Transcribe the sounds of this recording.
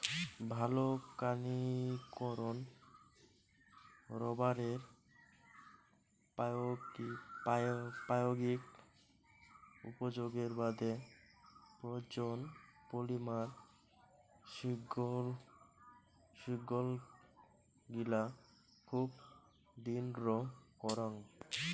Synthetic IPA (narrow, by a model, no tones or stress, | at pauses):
bʱalokanikɔɾon | ɾɔbaɾeɾ | pɡi | pajoɡik | ṵpod͡ʑoɡeɾbad̪ʱe | pɾod͡ʑonpolimaɾ | ʃiɡol | ʃiɡol | ɡila | kʰub | d̪inɾokɔɾaŋ